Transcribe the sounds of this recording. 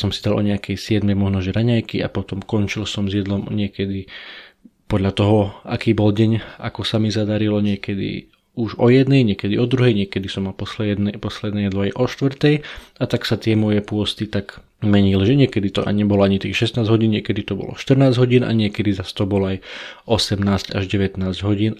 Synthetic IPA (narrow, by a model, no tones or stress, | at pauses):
sɔmsid̪alʔɔ̰ɲɛakɛjsɪɛd̪mɛmɔʒnɔʒɛɾaɲajkia̰pɔt̪ɔmkɔnt͡ʃilsɔmzjɛd̪lɔmɲɪɛkɛd̪i | pɔd̪ʎat̪ɔɦɔakiːbɔlɟɛɲa̰kɔsamizad̪aɾilɔɲɪɛkɛd̪ḭ | uʒɔjɛd̪nɛjɲɪɛkɛd̪iɔd̪ɾuɦɛjɲɪɛkɛd̪isɔmapɔsld̪pɔslɛd̪nɛjɛd̪lɔajʔɔʃt̪ʋr̩t̪ɛjat̪aksat̪ɪɛmɔjɛpʊɔst̪it̪aɡ | mɛɲilʒɛɲɪɛkɛd̪it̪ɔʔa̰ɲɛbɔlɔaɲit̪ixʃɛst̪naːzɦɔɟiːnɲɪɛkɛd̪it̪ɔbɔ̰lɔ̰ʃt̪r̩naːzɟɦɔɟiːnʔa̰ɲɪɛkɛd̪izast̪ɔbɔlajʔɔsɛmnaːzcaʒɟɛʋɛt̪naːzɟɦɔɟiːn